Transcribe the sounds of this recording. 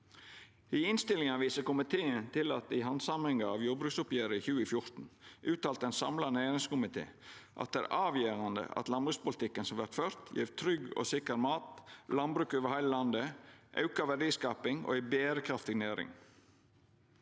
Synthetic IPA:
ɪɪnst̪ɪlɪŋɑʋiːsəkʊmɪt̪ʰeːənt̪ʰɪlɑt̪̚d̪ɪɦɑnsɑmɛŋɡɑɑʋjuːɾbɾʉːksʊpjeːɾəiçʉːəfjʊɾt̪n̩ʔʉːt̪ɑːlt̪ɛnsɑ̰mlɑnæːɾɪŋskʊmɪt̪ʰḛːʔɑ̰t̪̚d̪æ̰ːɾʔɑːʋjeːɾɑnd̪ə̰ɑ̰t̪lɑnbɾʉːkspʊlɪt̪ʰɪkːənsɔmʋæɾt̪føːɾt̪ʰjḭːɾt̪ʰɾʏɡo̰ːsɪkəɾmɑːt̪lɑnbɾʉːkøːʋəɾhæɪləlɑnd̪əʔɑ̰ʉkɑʋæɖiːskɑːpɪŋo̰ːæɪbeːɾəkʰɾɑft̪ɪɡnæːɾɪ̰ŋ

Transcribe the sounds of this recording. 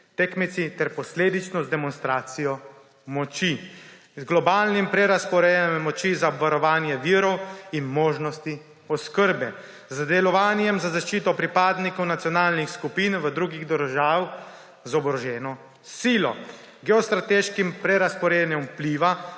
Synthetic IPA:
t̪ekmit̪sit̪ɛɾpɔsleːd̪it͡ʃnɔzd̪ɛmɔnst̪ɾaːt̪sijɔ | mɔt͡ʃi | zɡlɔbaːlnimpɾɛɾaspɔɾeɛmmːɔt͡ʃizaɔbʋaɾɔʋaːnjɛʋiːɾɔwinmoːʒnɔst̪i | ɔskəɾbɛ | zd̪ɛlɔʋaːnjɛmzazaʃt͡ʃiːt̪ɔpɾipaːd̪nikɔwnat̪sjɔnaːlnixskupinʋəd̪ɾuːɡiɣd̪əɾʒaːw | zɔbɾɔʒɛːnɔ | siːlɔ̰ | ɡɛɔst̪ɾat̪eʃkimpɾɛɾaspɔɾenɛmpliːʋa

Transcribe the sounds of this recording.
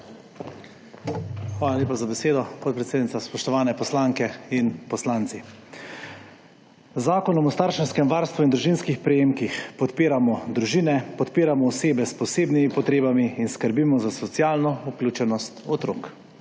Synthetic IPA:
xʋaːlalʲjeːpazabɛseːd̪ɔpɔt̪pɾɛt̪seːd̪nit̪aspɔʃt̪ɔʋaːnɛpɔslaŋkɛinpɔslaːnt̪si | zaːkɔnɔmɔst̪aːɾʃɛnskɛmʋaːɾst̪ʋuind̪ɾuʒinskixpɾɛjeːmkixpɔt̪piːɾamɔd̪ɾuʒiːnɛpɔt̪piːɾamɔɔseːbɛspɔseːbnimipɔt̪ɾeːbamiinskəɾbimɔzasɔt̪sjaːlnɔuklʲuːt͡ʃɛnɔst̪ɔt̪ɾoːk

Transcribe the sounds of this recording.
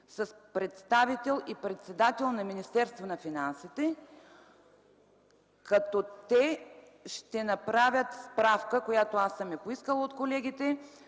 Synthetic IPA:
sɐspɾɛt̪st̪avit̪ɛlˠipɾɛt̪sɛd̪at̪ɛlˠnɐminist̪ɛɾst̪vonɐfinansit̪ɛ | kɐt̪ɔt̪ɛ | ʃt̪ɛnɐpɾavʲjət̪spɾafkəkojat̪oasəmɛpoiskəlˠot̪kolɛɡ̟ʲit̪ɛ

